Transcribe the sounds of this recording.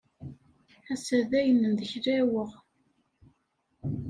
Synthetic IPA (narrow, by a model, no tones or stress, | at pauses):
æsæðæjənənðəçɾæwəʁ